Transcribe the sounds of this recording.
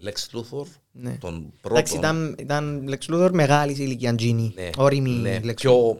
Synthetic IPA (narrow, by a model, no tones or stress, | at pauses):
leksluθoɾ | net̪o̰npɾoatksiit̪ɐnit̪ɐnleksluθoɾmeɣɐlis̬iliciɐnd͡ʒinieoɾimielekso